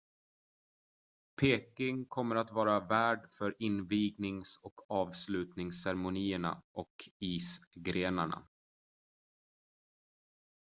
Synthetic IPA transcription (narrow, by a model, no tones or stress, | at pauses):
pʰeːkɪŋkʰɔmːəɾat̪vɑːɾavæːɖfœɾɪnviːɡnɪŋsɔkʰɑːvslʉ̟ːt̪nɪŋsːæɾmʊniːəɳa̰ʔɔkiːsɡɾeːnaɳa̰